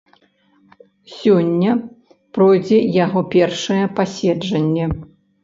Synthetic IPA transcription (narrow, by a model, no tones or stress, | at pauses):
sʲɔnʲːɐ | pɾɔjd͡zʲɛjaɣɔpʲɛrʂɐjɛpasʲɛd͡ʐɐnʲːɛ